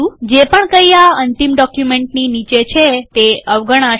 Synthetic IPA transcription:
ũd͡ʒepəɳkəiaənt̪imɖɔkjumẽɳʈ̚ninit͡ʃet͡ʃʰet̪eəʋɡəɽ̃a

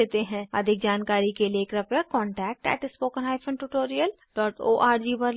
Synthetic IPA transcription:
eːt̪eɦɛ̃ɐ̰d̪ʱɪk̚d͡ʒaːnkaːɾikelieːkɾɐpjakɔ̃ːɳʈɛːk̚ʈɛ̰ːʈɪspoːkə̃nɦaːɪfʰə̃ɳʈuʈoːɾijəl | ɖɔːʈoːʔaːɾd͡ʒiːbɐɾ

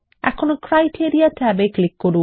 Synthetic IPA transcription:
ɛ̰kʰonokɾajʈʰiɾiatʰɛbeklikːoɾu

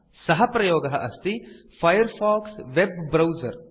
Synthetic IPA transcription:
sɐɦɐpɾɐjoːɡɐɦɐʔɐst̪i | fʰɐjɐɾfaːksʋebːɾɐwzɐɾ

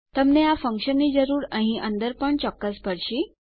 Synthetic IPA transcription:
t̪əmneafəŋkɕənːid͡zəɾuːɾə̃ɦĩʔənd̪əɾpəɳt͡ɕɔkːəsbəɾɕiː

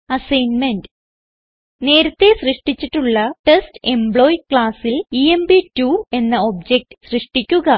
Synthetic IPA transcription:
ɐsɐjnme̞nd | ne̞ːɾɐt̪ːe̞srɨʂʈit͡ɕːiʈːuɭːɐʈeste̞mbɭo̞ːjkɭaːsiliembitue̞nːɐobd͡ʑek̚ʈɨ̥srɨʂʈikʲːuɣɐ

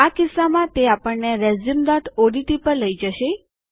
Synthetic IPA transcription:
akɪsːamãt̪eapəɳneɾɛzimd̪ɔʈʰoɖiʈipəɾləid͡ʒəʃe

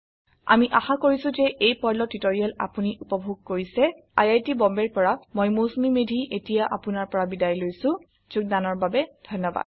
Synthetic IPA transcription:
a̰miʔaxakoɹisʊ̃zɛʔejpɔjlɔtːitoɹiala̰puniʔupɔbʱuɡ̚koɹisɛ | a̰jajtibɔmbɛɹpɔɹamojmosmimedʱiʔetijaʔapʊnaɹpɔɹabidajlojsʊ̃ | z̥uk̚danɔɹbabɛd̥ʱɔjnːɔba̰d̥̚

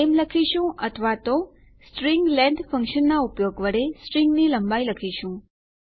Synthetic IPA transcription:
emləkʰiʃũʔət̪ʰəʋat̪o | sʈɾiŋɡlɛ̃ɳɖfə̃ŋkʃənːaupjoɡʋəɽesʈɾiŋɡniləmbailəkʰiʃũ

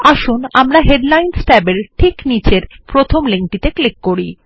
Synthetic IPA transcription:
aʃunamɾaɦeɖlajnsʈɛbeɾʈʰiknit͡ɕeɾ | pɾot̪ʰomleŋʈit̪eklikːoɾi

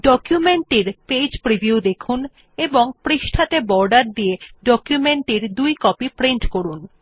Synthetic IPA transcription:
ɖɔkjumeɳʈiɾped͡ʑpɾibiud̪ekʰun | eboŋpɾiʃʈʰat̪ebɔɾɖaɾd̪ijeɖɔkjumeɳʈiɾd̪ujkɔpipɾiɳʈkoɾun

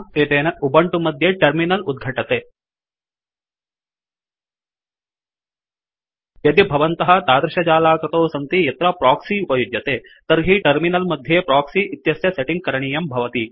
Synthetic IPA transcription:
et̪eːnɐubɐɳʈumɐd̪ʱjeʈɐɾminɐlud̪̚ɡʱɐʈɐt̪eː | jɐd̪ibʱɐʋɐnt̪ɐɦɐ̆t̪aːd̪ɾɐʃɐd͡ʒaːlaːkɾɐt̪oːsɐnt̪ijɐt̪ɾɐpɾaːksiupɐjud̪jɐt̪eː | t̪ɐɾɦiʈɐɾminɐlmɐd̪ʱjepɾaːksiʔit̪jɐsjɐseʈiŋɡ̚kɐɾɐɳiːjɐmbʱɐʋɐt̪i

